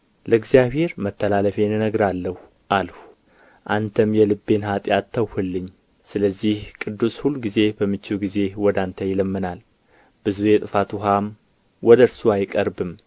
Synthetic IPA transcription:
ləɨɡzijaβhe̞ɾmət̪ʰːəlaləfenɨnəɡɾalːəh | ʔalhu | ʔant̪ʰəmjɛlɨbːe̞nhat̪ʼjat̪ʰːəwhɨlːɨɲː | sɨləzːihkʼɨd̪ːushulːuɡize̞bəmːɨt͡ʃːɪwɡize̞wɔd̪ant̪ʰəjɪləmːɨnal | b̥ɨzujɛt̪ʼɨfat̪ʰuɦam | wɔd̪əɾsuajkʼəɾbɨm

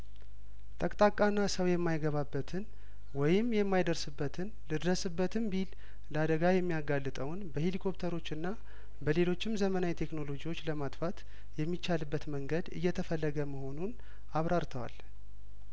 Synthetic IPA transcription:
t̪ʼəkʼt̪ʼakʼːanːasəwjɛmːajɡəβabːət̪ʰɨn | wɔjɪmːjɛmːajd̪əɾsɨbːət̪ʰɨnlɨd̪ɾəsɨbːət̪ʰɨmbil | ləad̪əɡajɛmːijaɡalːɨt̪ʼəwnbəhilikʰo̞pt̪ʰəɾo̞t͡ʃːɨnːa | bəle̞lo̞t͡ʃːɪmzəmənawjt̪ʰe̞kno̞lo̞d͡ʒiwo̞t͡ʃːləmat̪ʼfat̪ | jɛmːit͡ʃːalɨbːət̪məŋɡəd̪ɨ̰jːɛt̪ʰəfəlːəɡəməho̞nun | aβɾaɾt̪ʰəwa̰l

